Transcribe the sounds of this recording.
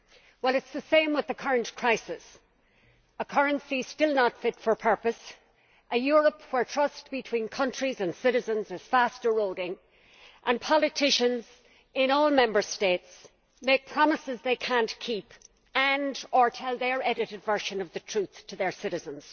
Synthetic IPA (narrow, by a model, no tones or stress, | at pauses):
wɛlˠɨtsðəsẽɪ̃mwɨðəkʰʌɹə̃nkʰɹ̥aɪsɪs | əkʰʌɹɨ̃nsistɪlˠnətfɪtfə˞pʰɜ˞pəs | ʔəjʊɹəpwə˞tʰɹ̥ʌstb̥ɨtʰw̥ĩnkʰʌ̃nt͡ʃɹ̥izə̃nsɪɾɨzə̃nzɨz̥fastə˞ɹoʊɾɪ̃ŋ | ʔə̃npʰɑlˠɨtʰɪʃə̃nz | ɪ̃nɔːlˠmɛ̃mbə˞steɪts | mepʰɹ̥ɑməsɨzðeɪkʰæ̃nkʰip | ə̃ndə˞tʰɛlˠðə˞ɛɾɨɾɨdvɜ˞ʃə̃nʌvðɨtʰɹ̥ʉθtʰəðə˞sɪɾɨzə̃nz̥